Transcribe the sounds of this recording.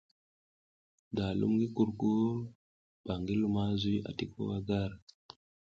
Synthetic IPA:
da˨lṵ˦mɡi˦ku˦ɾku˦ɾ | b̥a˨ŋɡi˦lu˦ma˦zi˦ʔa̰˨ti˨ko̰˦wa˦ɡa˦ɾ

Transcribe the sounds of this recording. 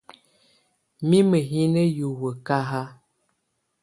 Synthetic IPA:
mi˦mə˨ɦi˦nə˦ju˨wə˨ka˦ɦa˦

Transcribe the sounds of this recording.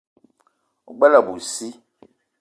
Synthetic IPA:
ṵ˨ɡ͡bɛ˦la˨bu˨si˦

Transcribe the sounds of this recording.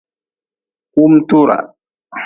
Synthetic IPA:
ku˦mtu˦ɾa̰˨

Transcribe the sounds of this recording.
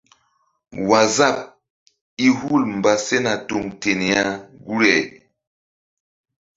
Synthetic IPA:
wa˨za˦˨p̚ | i˦hu˦˨lm˨ba˨se˦na˨tu˨ŋte˨ne˨ja˦ɡu˦ɾɛ˨

